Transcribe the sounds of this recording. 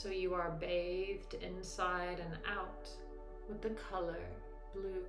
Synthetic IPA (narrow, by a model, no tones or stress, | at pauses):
soʊjɨə˞beɪðdɪ̃nsaɪɾɨ̃na̰ʊt | wɨðɨkʰʌlˠə˞ | b̥lʉ